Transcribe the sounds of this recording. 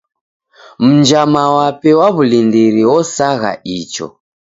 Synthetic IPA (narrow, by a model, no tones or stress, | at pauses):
m̩nd͡ʒamawapɛwaβulindiɾiwɔsaɣa̰ʔit͡ʃɔ̰